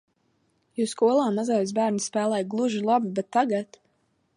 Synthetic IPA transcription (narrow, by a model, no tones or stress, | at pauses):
juskuɔlˠaːmazajs̬bæːɾnspæːlˠɛjɡlˠuʒilˠabibɛt̪ːaɡat̪